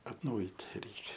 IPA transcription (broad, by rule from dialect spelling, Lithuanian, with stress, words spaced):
ɐtˈnɐʊjiːt ˈrʲɛɪkʲɛ